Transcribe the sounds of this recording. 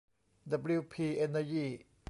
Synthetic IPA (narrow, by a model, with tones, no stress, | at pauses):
d̪a˧bli˦˧wpʰiː˧ʔe˧nːa˧jiː˥˩